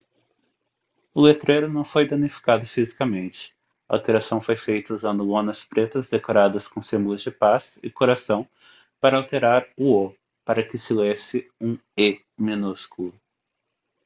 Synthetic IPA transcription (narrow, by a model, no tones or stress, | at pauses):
ʊlet̪ɾejɾʊnɐ̃w̃fojd̪ɐ̃nifi̥kad̪ʊfizikɐmẽnt͡ʃɪ̥ | ɐa̰wt̪eɾasɐ̃w̃fojfejt̪ɐuzɐ̃nd̪ʊõnɐspɾet̪ɐzd̪ekoɾad̪ɐskõsẽmbʊlʊzd͡ʒɪpasɪkoɾasɐ̃w̃ | paɾɐawt̪eɾaɾʊo | paɾɐkɪsɪlesɪũe | mĩnuskulʊ